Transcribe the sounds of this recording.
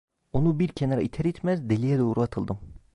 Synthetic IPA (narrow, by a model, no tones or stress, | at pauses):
unubiɾkʲʰɛneɾɑit̪ʰɛɾet̪ʰmɛzd̪elijɛd̪ɛuɾuɑt̪ʰɯlˠd̪ɨm